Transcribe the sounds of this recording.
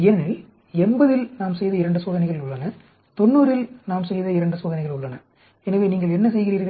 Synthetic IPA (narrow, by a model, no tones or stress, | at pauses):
ɛnɪl | ɛmbɐðɪlnaːmsɛjðɐɪɾɐɳɖɯsoːðɐnɐɪɣɐɭɪlʊɭːɐnɐ | t̪ɔnːuːɾɪlnaːmsɛjðɐɪɾɐɳɖɯsoːðɐnɐɪɣɐɭʊɭːɐnɐ | ɛnɐʋeːniːŋɡɐɭɛnːɐsɛjɣɪriːɾɣɐ